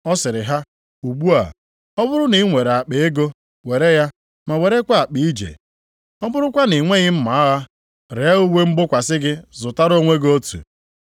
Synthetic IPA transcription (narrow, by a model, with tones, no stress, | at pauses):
ɔ˦sɪ˨ɾɪ˨ɦa˦ | u˨ɡ͡bu˦a̰˨ | ɔ˦bʊ˦ɾʊ˦ni˨˦ŋʷe˨ɾa˨k͡pe˨e˦ɡo˦ | we˨ɾe˦ja˦ | ma˨we˨ɾe˦kʷa˦a˨k͡pi˨˦i˦d͡ʒḛ˨ | ɔ˦bʊ˦ɾʊ˦kʷa˦ni˨ŋʷe˦ɲɪ˦m̩˦ma˨a˦ɣa˦ | ɾe˨a˦u˦we˦m̩˦ɡ͡bʊ˦kʷa˨sɪ˦ɡɪ˦zʊ˨ta˦ɾo˦ŋʷe˦ɡo˦tṵ˨